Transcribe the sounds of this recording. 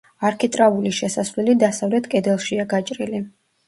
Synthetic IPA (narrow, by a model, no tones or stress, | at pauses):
aɾkʰit̪ʼɾavuliʃɛsasvlɛlid̪asavlɛt̪ʰkʼɛd̪ɛlˠʃiaɡat͡ʃʼɾili